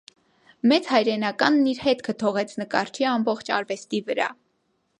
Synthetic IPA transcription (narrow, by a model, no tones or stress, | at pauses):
mɛt͡shɑjɾɛnɑkɑnːiɾhɛt̪kʰət̪ʰɔʁɛt͡sʰnəkɑɾt͡ʃʰiɑmbɔχt͡ʃʰɑ̰ɾvɛst̪ivəɾɑ̰